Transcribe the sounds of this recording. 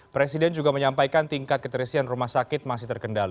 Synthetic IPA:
pɾesidɛnd͡ʒuɡaməɲampajkant̪iŋkat̪̚kət̪əɾisianrumahsakɪt̪̚masɪht̪ərkəndal

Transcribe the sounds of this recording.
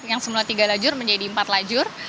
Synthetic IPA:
jaŋsəmuat̪iɡalad͡ʒʊrməɲd͡ʒadiəmpat̪lad͡ʒʊr

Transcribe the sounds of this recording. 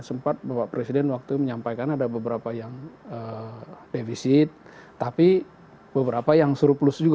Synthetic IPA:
səmpat̪̚bapapɾesidɛnwak̚t̪uməɲampajkanadabəbəɾapajaŋədefisɪt̪̚ː | api | bəbəɾapajaŋsuɾplʊsd͡ʒuɡ

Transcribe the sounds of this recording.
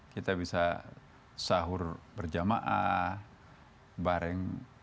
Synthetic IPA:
kit̪abisa | saɦʊrbərd͡ʒama̰ʔa | baɾɛŋ

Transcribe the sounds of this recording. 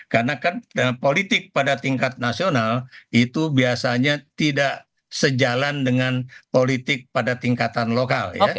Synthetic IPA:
karnakanəpolit̪ɪk̚padat̪iŋkat̪̚nasionalit̪ubiasaɲat̪idaʔ | səd͡ʒalandəŋanpolit̪ɪk̚padat̪iŋkat̪anlokalja̰

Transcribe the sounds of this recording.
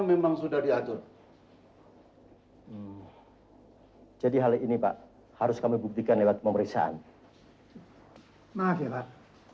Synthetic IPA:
memaŋsudahdiat̪ʊr | d͡ʒadiɦalinipa̰ʔ | haɾʊskamibuk̚t̪ikanlewat̪̚pəməɾiksa̰ʔa̰n | mafpa

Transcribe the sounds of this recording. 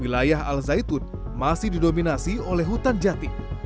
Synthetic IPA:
ilajaɦa̰lzait̪un̚ | masɪhdidominasiolɛɦut̪and͡ʒat̪i

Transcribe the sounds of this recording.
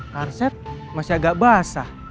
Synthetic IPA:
karsɛt̪̚ | masiaɡaʔbasa

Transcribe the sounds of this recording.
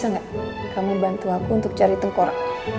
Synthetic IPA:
aŋɡa | kamubant̪uakuːnt̪ʊk̚t͡ʃaɾit̪əŋkɔɾa

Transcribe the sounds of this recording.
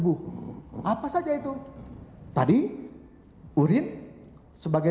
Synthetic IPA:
buʔapasad͡ʒait̪u | t̪adi | uɾɪn | səbaɡa

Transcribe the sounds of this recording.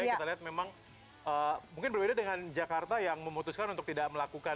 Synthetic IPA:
kit̪aliɦat̪̚memaŋ | ʔəmuŋkɪnbərbedadəŋand͡ʒakart̪ajaŋməmut̪ʊskanunt̪ʊk̚t̪idaʔ̚məlakuka

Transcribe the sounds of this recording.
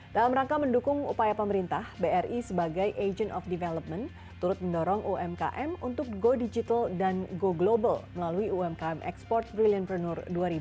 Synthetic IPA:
d̥alamɾaŋkaməndukʊŋṵpajapəməɾint̪ahbeɛrʔisəbaɡajʔed͡ʒənɔfdivɛlɔp̚mən | t̪uɾʊt̪̚məndɔɾɔŋʔuɛmka̰ʔɛmunt̪ʊk̚ɡodid͡ʒit̪aldanɡoɡlobalməlaluiuɛmkaɛmʔɛ̰kspɔrt̪̚bɾilianprənʊrduaɾibu

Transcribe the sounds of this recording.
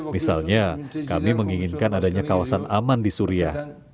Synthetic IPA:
misalɲakamiməŋiŋinkanadaɲakawasanamandisuɾiah

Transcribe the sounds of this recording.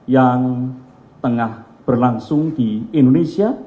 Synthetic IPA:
jaŋ | t̪əŋahb̥ərlaŋsʊŋd̪̥iind̪onesia

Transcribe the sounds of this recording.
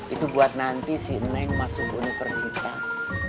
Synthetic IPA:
ʔit̪ubuat̪̚nant̪isinɛŋmasʊkunifərsit̪a̰s

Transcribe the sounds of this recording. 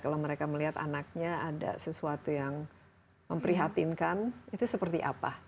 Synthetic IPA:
kalawməɾekaməliɦat̪a̰nak̚ɲaada̰səsuat̪ujaŋ | məmpəɾiɦat̪inkanit̪usəpərt̪iʔa̰pa̰

